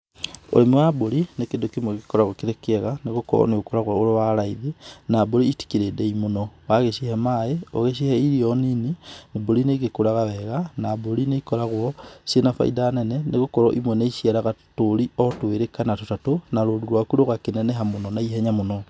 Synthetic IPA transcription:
o̰ɾemewaboɾinekedokimwɛɣekɔɾaɣokeɾekɛɣaneɣokɔ̰ɾɔ̰neɣokoɾaɣwɔoɾowaɾaiðinaboɾiiti̥kiɾedɛimonɔwaɣeʃihɛmaeoɣeʃehɛiɾiɔninineboɾineɣekoɾaɣawɛɣanaboɾineikɔɾaɣwɔsenafa̰ḭdaːnɛnɛneɣokɔɾɔʔimwɛneiʃiaɾaɣatoɾiɔtoeɾekanatotatonaɾoːduɾwakuɾoɣakenɛnɛɦamonɔnaiɦɛɲamonɔ

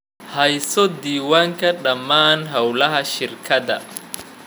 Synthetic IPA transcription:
hɐjsɔd̪iːwaːŋkʰɐɖɐmːaːnɦɐwlɐɦɐʃɪrkʰɐd̪ɐ̰

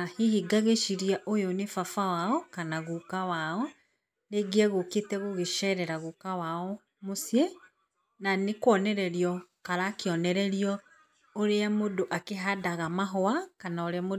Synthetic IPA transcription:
ahihiɡaɣeʃiɾiaʔojonefafawaɔkanaɣukawaɔ | ɾeɡeɛɣoketɛɣoɣeʃɛːɾɛɾaɣukawaɔ | mosiɛ | nanekwɔnɛɾɛɾiɔkaɾakeɔnɛɾɛɾiɔ | oɾeamodoʔakeɦadaɣamaɦɔakanaoɾeamo

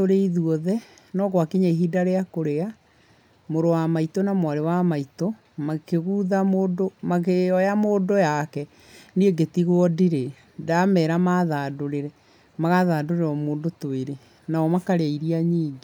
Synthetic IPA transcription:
oɾeiðuɔðɛ | nɔɣwakiɲaiɦidaɾeakoɾea | moɾowamaitonamwaɾewamaito | makeɣuːðamoːdomakeɔjamoːdojakɛ | nieɡetiɣwɔdiɾe | damɛɾamaðaːdoɾeɾɛ | maɣaðaːdoɾeɾɔmoːndotoeɾe | naɔmakaɾeaiɾiaɲiːŋɡe

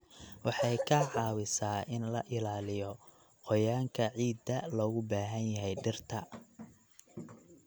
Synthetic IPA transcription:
wɑħɑjkʰɐʕɑːwɪsaːʔɪnlɐʔɪlaːlɪjɔ | qɔjaːŋkʰɐʕiːd̪ɐlɔːɣʊbaːɦɐnjɐɦɛjɖɪrt̪ʰɐ

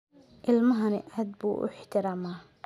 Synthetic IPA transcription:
ʔɪlmɐɦɐnɪ̰ʔaːd̪bṵːʔʊ̰ħt̪ʰɪɾaːmaː

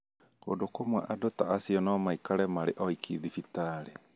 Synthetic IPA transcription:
ko̰ndokomwaʔadotaasiɔnɔmaikaɾɛmaɾeʔɔikʰiðifitaːɾe

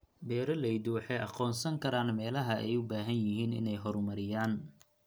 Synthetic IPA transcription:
bɛːɾɐlɛjd̪ʊwɑħɑjʔɑ̰qɔːnsɐŋkʰɐɾaːnmɛːlɐɦɐʔɛ̰jʊbaːɦɐnjɪɦiːnɪ̰nɛjɦɔrmɐɾɪjaːn

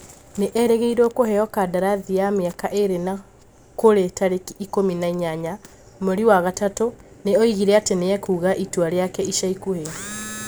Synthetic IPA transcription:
neʔɛɾɛɣeiɾɔkohɛjɔkadaɾaðiameakaʔeɾena | koɾetaɾekiːkominaiɲaɲa | moɾiwaɣatatoneɔiɣiɾɛateneɛkuːɣaʔitwaɾeakɛiʃaikuheɔ

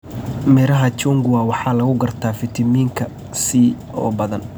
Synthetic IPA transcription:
mɪɾɐɦɐt͡ʃuŋɡʊwɑːwɑħɑːlɐɣʊɡɐrt̪ʰaːfɪt̪ʰɪmiːŋkʰɐ | siː | ɔ̰ːbɐðɐn

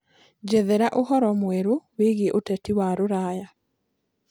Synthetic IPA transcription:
d͡ʒɛðɛɾaʔohɔɾɔmwɛɾoweɣieʔotɛtiwaɾoɾaja

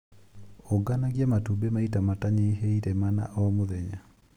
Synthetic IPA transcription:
oɡanaɡjamatubemaitamataɲeɦeiɾɛmana̰ʔɔmoðɛɲa

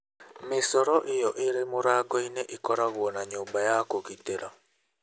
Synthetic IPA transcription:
mesɔɾɔʔɪjɔʔeɾemoɾaɡɔineʔikɔɾaɣwɔnaɲobajakokiteɾa

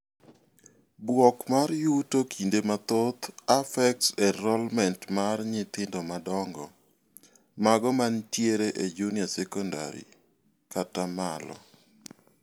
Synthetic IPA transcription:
bwɔkmarjutokʰindemat̪ot̪afɛk̚tsɛɾɔlmɛntmarɲɪt̪ɪndɔmadɔŋɡɔ | maɡɔmantjeɾeʔed͡ʒuniasɛkɔnda̰ɾḭ | katamalɔ̰

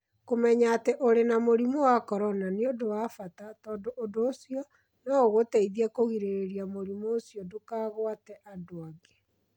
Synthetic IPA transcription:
komɛɲaːteʔoɾenamoɾimowakɔɾɔnaneodowafatatɔːndoʔːdoːsijɔ | naoɣotɛiðiakoɣiɾeeɾiamoɾimoːsjɔdokaːɣwatɛʔadoaɡe

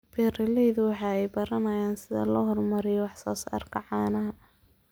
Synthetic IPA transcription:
bʰɛːrɪlɛjðʊwɑħɑːɛjbɐɾɐnɐjaːnsɪðɐ̰lɔɦɔrmɐɾɪjɔwɑħsɔ̰ːsɐ̰rkʰɐʕɑːnɐɦɐ

